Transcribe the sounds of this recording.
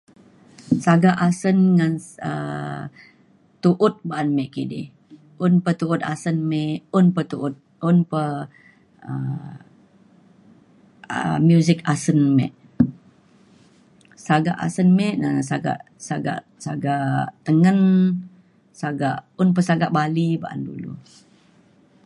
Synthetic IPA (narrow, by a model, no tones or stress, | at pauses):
saɡaʔasənŋanə̰ | t̪uʔʊt̪̚baʔanmɛʔkidḭh | ʊnpət̪uʊt̪̚asənmɛʔʊnpət̪uʔʊt̪̚ | ʊnpə | ə | ə̰mjuzɪkasənmɛ̰ʔ | saɡaʔa̰sənmɛʔnəsaɡa̰ʔ | saɡa̰ʔ | saɡat̪əŋən | saɡaʔʊnpəsaɡaʔbaliba̰ʔa̰ndṵlṵ